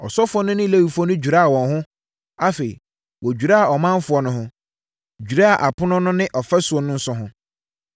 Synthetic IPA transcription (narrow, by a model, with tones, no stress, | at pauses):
ɔ˨sɔ˦fʊ˦ɔ˦nʊ̃˦nɪ̃˦le˦wi˨fɔ˦nʊ̃˦d͡ʑᶣu˨ɾa˦a˨wɔ̃˨nɦʊ̃˦ | a˦fe˨ḭ˨ | wɔ˨d͡ʑᶣu˨ɾa˦a˨ɔ˨mã˦m˦fʊ˨˦ɔ˨˦nʊ̃˦ɦʊ̃˦ | d͡ʑᶣɥɾa˦a˨ʔa˨pʰʊ˦nʊ̃˦nʊ̃˦nɪ̃˦ʔɔ˨fɛ˦su˨ɔ˦nʊ̃˦n̩˦sʊ˦ɦʊ̃˦